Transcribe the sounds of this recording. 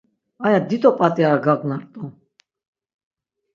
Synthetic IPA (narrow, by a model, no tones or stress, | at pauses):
ajad̪it̪ʼɔpʼat̪ʼiaɡaknaɾt̪ʼɔ